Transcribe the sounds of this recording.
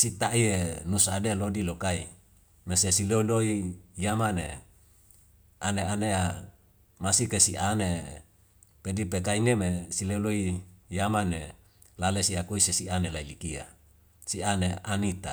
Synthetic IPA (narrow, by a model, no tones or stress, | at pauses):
sit̪aʔienusaadelodilokaḭ | mesesiloloijamane | aneanea | masikesiʔane | pedipekainemesileuloijamane | lalesiakoisesianelailikia̰ | sianeanit̪a̰